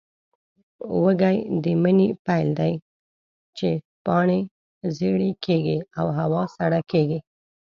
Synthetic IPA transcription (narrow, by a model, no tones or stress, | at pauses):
wəɡajd̪əmənipajld̪aj | t͡ʃe | pɑɳe | zeɽekʰeɡiawɦawɑsaɽakeɡi